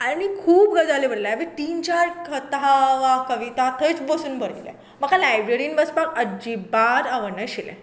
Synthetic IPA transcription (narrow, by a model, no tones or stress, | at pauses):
aɽ̃ikʰuːpɡəd͡zalebəɽlaʋiʈiːnt͡ɕaɾkʰət̪ɦaʋakəʋit̪at̪ʰət͡sbəsuːnbʱəɽilḛ | məkʰalajbɾeɾinbəspakəd͡ʑibaɾaʋəɳəɕilɛ̰̃